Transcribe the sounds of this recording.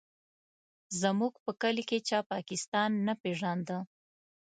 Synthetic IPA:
zəmuɡpəkəliket͡ʃɑpɑkɪst̪ɑnːapeʒand̪ə

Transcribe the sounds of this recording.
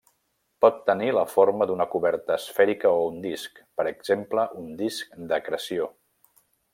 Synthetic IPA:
pɔt̪ːəniləfoɾməd̪unəkuβɛɾt̪əːsfɛɾikəound̪iskpəɾəɡz̥empləʔund̪isk̚d̪əkɾəsio

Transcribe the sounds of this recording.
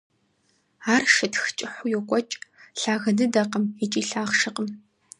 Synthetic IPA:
aːrʃɐtxt͡ʃʼɪħʷʊjɔkʷʼɔt͡ʃʼɬaːɣɐnɨdɐqəmit͡ʃʼiːɬaːʁʃɨqəm

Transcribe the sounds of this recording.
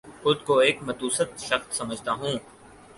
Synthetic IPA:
ʊt̪koeːkmɐt̪uːsət̪ʃɐxt̪sɐməd͡ʒʱt̪aɦũː

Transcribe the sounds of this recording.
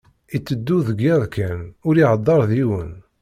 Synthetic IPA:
it͡sːəd̪ːuðɡiðˤkænʊɾiʕəd̪ˤːɑɾˤðiwən

